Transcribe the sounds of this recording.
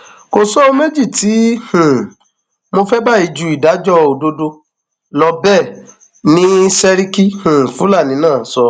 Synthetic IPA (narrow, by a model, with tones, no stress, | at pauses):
ko˧sɔ˦o˧me˦d͡ʒi˦˨ti˨˦hũ˨ | mo˧fɛ˦ba˦˨i˧d͡ʒu˨˦i˨da˨˦d͡ʒɔ˦o˨do˧do˧ | lɔ˧bɛ˦˨ | nĩ˦sɛ˧ɾi˦ki˦hũ˨fũ˦la˦˨nĩ˨˦nãː˦˨sɔ˧˦